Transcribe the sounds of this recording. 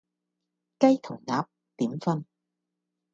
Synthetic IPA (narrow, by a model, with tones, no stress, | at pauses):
kɐ˥jt̪ʰʊ˨˩ŋnaː˨˥p̚ | t̪iː˨˥mfɐ˥n